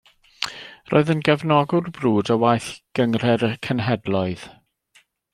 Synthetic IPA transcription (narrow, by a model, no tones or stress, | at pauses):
ro̰ːɨðənɡɛvnɔɡʊrbruːdəwajθɡ̥əŋr̥ɛrkʰənɦɛdlˠɔɨð̥